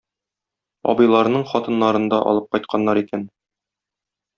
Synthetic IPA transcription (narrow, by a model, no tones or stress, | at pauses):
ɒ̰bɤ̆jlˠɑɾnɤɴχɒt̪ɤ̆nːɑɾɤ̆nd̪ɑʔɒ̰lˠɤp̚qɒjt̪̚qʰɑnːɑɾikæn